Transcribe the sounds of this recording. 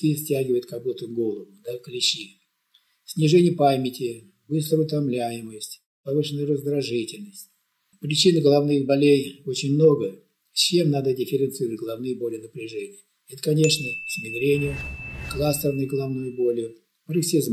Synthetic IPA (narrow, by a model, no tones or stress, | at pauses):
t̪isʲtʲæɡʲɪvəjɪt̪̚kɐbut̪əvɡo̞lˠəvʊd̪akəlʲɪɕi | sʲnʲɪʐɛnʲɪjəpamʲɪtʲɪ | bɨst̪ɾəʊt̪ɐmlʲæjɪməsʲtʲ | pɐvɨʂɨnːəjɾəzd̪ɾɐʐɨtʲɪlʲnəsʲtʲ | pɾʲɪt͡ɕinɨɡəlˠɐvnɨxbɐlʲejo̞t͡ɕɪnʲmno̞ɡə | t͡ɕːe̞mnad̪ədʲɪfʲɪɾʲɪnt̪sɨɾəvətʲɡəlˠɐvnɨjəbo̞lʲɪjənəpɾʲɪʐɛnʲɪjə | ɛt̪ə̥kɐnʲe̞ʂnəsʲɪnʲɪvʲɪɾʲenʲɪjʊklˠast̪ərnəjɡəlˠɐvnojʊbo̞lʲɪjʊ | əɾəksʲizm